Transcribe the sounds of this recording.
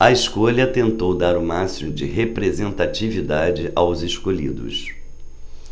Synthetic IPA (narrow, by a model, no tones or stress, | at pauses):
ɐɪskoʎɐt̪ẽnt̪owd̪aɾʊmasimʊd͡ʒɪɦepɾezẽnt̪at͡ʃivid̪ad͡ʒɪʔawzɪskoʎḭd̪ʊ̰s